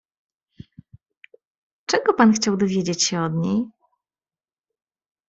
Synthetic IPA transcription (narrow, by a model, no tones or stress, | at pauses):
t͡ʂɛɡɔpanxt͡ɕawd̪ɔvʲjed͡ʑet͡ɕɕɛɔd̪ɲej